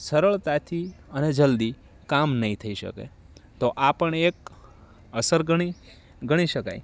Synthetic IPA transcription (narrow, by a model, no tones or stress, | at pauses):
səɾəɭt̪at̪ʰiəned͡ʒəld̪i | kamnəĩt̪ʰəiʃə̰kḛ | t̪oʔapəɳek̚ | əsəɾɡəɽ̃i | ɡəɽ̃iʃəka̰ḭ